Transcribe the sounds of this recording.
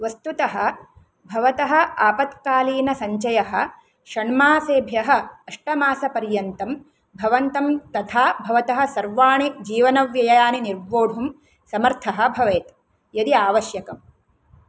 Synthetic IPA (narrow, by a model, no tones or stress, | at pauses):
ʋɐst̪ut̪ɐɦɐ̆ | bʱɐʋɐt̪ɐɦɐ̆aːpɐt̪kaːliːnɐsɐɲt͡ʃɐjɐɦɐ̆ | ʃɐɳmaːseːbʱjɐɦɐ̆ɐʂʈɐmaːsɐpɐɾjɐnt̪ɐm | bʱɐʋɐnt̪ɐmt̪ɐt̪ʰaːbʱɐʋɐt̪ɐɦɐ̆sɐɾʋaːɳid͡ʒiːʋɐnɐʋjɐjɐjaːniniɾboːɽʱum | sɐmɐɾt̪ʰɐɦɐ̆bʱɐʋeːt̪ | jɐd̪iaːʋɐʃjɐkɐm